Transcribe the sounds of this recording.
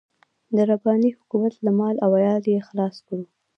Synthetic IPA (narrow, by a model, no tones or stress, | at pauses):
d̪əɾabɑnihʊkumat̪lamɑlawajɑljexlɑskɽu